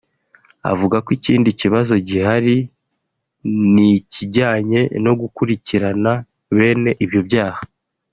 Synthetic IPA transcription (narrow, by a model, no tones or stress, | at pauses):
a̰vuɡakwiciːndiciβazo̞ɟiɦaɾi | niciɟaːɲe̞no̞ɡukuɾiciɾana | βe̞ːne̞ʔibjo̞bɟaːha